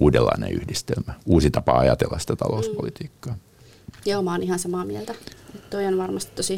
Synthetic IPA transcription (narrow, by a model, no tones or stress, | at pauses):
uːdelːɑinḛ̃ʔyhdist̪elmæuːsit̪ɑpɑɑjɑt̪elːɑsi̥t̪æt̪ɑ̰louspolit̪iːkːɑː | jɑolmɑːnihɑnsɑmɑːmielt̪æet̪t̪oionʋɑrmɑst̪it̪tosi